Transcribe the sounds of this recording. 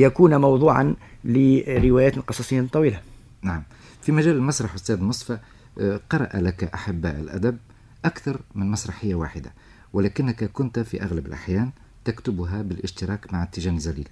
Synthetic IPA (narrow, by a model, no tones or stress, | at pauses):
jækuːnmɑwd̪ˤuːʕa̰nliɾɪwæjæːt̪lqɑsˤɑsˤijːnt̪ˤːɑwiːla | naʕam | fimæʒæːlɪlmasɾˤɑħwəst̪æːd̪mʊsˤfɑ | qɑɾˤɑ̰ʔalakʔaħabːʔɪ̰lʔæ̰d̪æb | ʔakθɑɾˤmɪnmɑsɾˤɑħɪjːawa̰ːħɪd̪a | wɪlækɪnːakakʊnt̪fiʔaɣlabɪlʔa̰ħjæːn | t̪akt̪ʊbɦabɪlʔɪʃt̪ɪɾɑːkmaʕt̪ːɪʒæːnəzːæliːl